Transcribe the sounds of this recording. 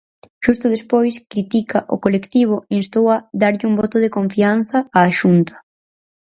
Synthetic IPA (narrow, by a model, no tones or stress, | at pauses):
ʃust̪ʊðespojskɾit̪ikaʔo̰kolekt̪iβ̞ʊinst̪owaðaɾʎɪumbɔt̪ʊðekoɱfian̟θɐaːʃunt̪ɐ̥